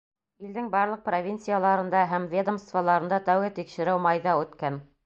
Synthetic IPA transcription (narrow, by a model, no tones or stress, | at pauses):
ild̪ɘŋbɑɾlˠɤq̚provʲint̪sijalˠɑɾɤ̆nd̪ɑɦæmvʲed̪əmst̪valˠɑɾɤ̆nd̪ɑt̪æwɣɘt̪ikʃɘ̆ɾɘwmɑjðɑʉt̪kæn